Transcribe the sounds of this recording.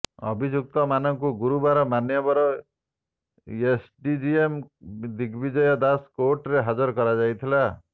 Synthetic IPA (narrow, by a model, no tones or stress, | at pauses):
ɔ̰bʱid͡ʒjuk̚t̪ɔmanɔŋkuɡuɾubaɾɔmanjɔbɔɾɔ | esɖid͡ʒiemd̪iɡbid͡ʒɔjɔd̪askoɾʈɾeɦad͡ʒɔɾkɔɾad͡ʒajt̪ʰila